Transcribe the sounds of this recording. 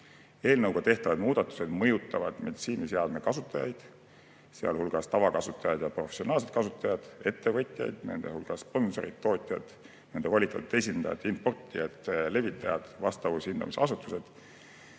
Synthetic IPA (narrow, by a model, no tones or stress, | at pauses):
e̞ːlnɤwɡ̥ɑt̪e̞ht̪ɑvɑd̪muːd̪̥ɑt̪ːˑu̥se̞d̪̥mɤjut̪ːˑɑvɑd̪̥med̪i̥siːniseɑd̪mekɑsut̪ːˑɑjɑ̰jd̪̥ | seɑ̰lhulɡ̥ɑst̪ɑvɑkɑsut̪ːˑɑjɑd̪̥jɑpro̞fesio̞nɑːls̬e̞t̪̚kɑsut̪ːˑɑjɑd̪̥e̞t̪ːe̞vɤt̪ʲˑjɑ̰jd̪̥ne̞̰nd̪̥e̞̰hulɡ̥ɑsːpo̞nso̞ɾit̪ːo̞ːt̪ʲˑjɑ̰d̪̥ | ne̞nd̪evɑlʲit̪ːˑɑt̪ut̪e̞sʲind̪̥ɑjɑ̰d̪inpo̞rt̪ˑːiet̪ːle̞vit̪ːˑɑjɑ̰d̪̥vɑst̪ɑvushind̪ɑ̰miseɑsut̪ːˑuse̞d̪̥